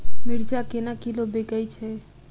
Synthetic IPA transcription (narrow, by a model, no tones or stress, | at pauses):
miɾd͡ʒakenakilobeɡəjt͡ʃʰɛ